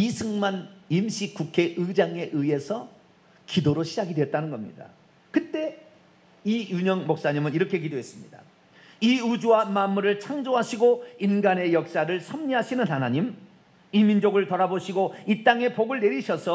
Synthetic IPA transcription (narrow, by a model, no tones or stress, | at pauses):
isʰɯŋmanimɕ͈ʰik͈ukʰe̞ʔɯd͡ʑaŋe̞ʔɯie̞sʰʌ | kidoɾoɕʰid͡ʑaɡidwe̞t̚t͈anɯnɡʌmɲḭda̰ | kɯt͈e̞ | ijuɲʌŋmok̚s͈aɲimɯniɾʌkʰe̞kidoɦe̞s͈ɯmɲida̰ | iud͡ʑuwamanmːuɾɯɭt͡ɕʰaŋd͡ʑoɦaɕʰiɡoinɡane̞jʌk̚s͈aɾɯɭsʰʌmɲiɦaɕʰinɯnɦanaɲim | imind͡ʑoɡɯɭtʌɾaboɕʰiɡoit͈aŋe̞poɡɯɭne̞ɾiɕʰʌsʰʌ